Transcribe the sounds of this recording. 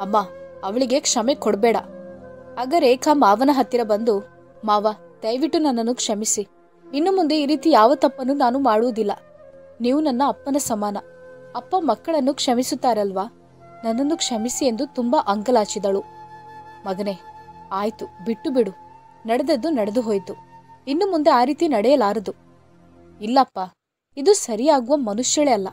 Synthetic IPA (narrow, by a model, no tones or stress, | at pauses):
ɐmːaːɐʋɐɭiɡe̞kʂɐmekɔɽbɛːɽɐ | ɐːɡɐɾeːkʰaːmaːʋɐnɐɦɐt̪ːiɾɐbɐnd̪u | maːʋɐ | d̪ɐjʋiʈːunɐnːɐnːukʂɐmisi | inːumund̪eiːɾiːt̪ijaːʋɐt̪ɐpːɐnunaːnumaːɽuʋud̪ilːɐ̰ | niːʋunɐnːɐːpːɐnɐsɐmaːnɐɐpːɐmɐkːɐɭɐnːukʂɐmisut̪ːaːɾɐlʋaː | nɐnːɐnːukʂɐmisie̞nd̪ut̪umbɐʔɐŋɡɐlaːt͡ʃid̪ɐɭu | mɐɡɐne̞aːjt̪ubiʈːubiɽu | nɐɽɛd̪ɐd̪ːunɐɽed̪uɦoːjt̪uinːumund̪eaːɾiːt̪inɐɽɛjɐlaːɾɐd̪u | ilːɐːpːa | id̪usɐɾijaːɡuʋɐmɐnuʃjɐɭɛɐlːɐ